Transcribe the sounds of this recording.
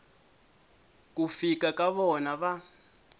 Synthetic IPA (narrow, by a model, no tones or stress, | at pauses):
k̬ʼufikakaβɔnaβa